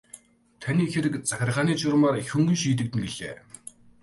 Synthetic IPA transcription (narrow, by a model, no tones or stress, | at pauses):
t̪ʰaniːxĕɾɘ̆kt͡saxʲɪ̆rχaːniːt͡ɕʊɾ̆maːrxʲuŋɡujʃiːt̪̬ɘ̆k̚t̪ɘ̆ŋɡeɮ̥ḛː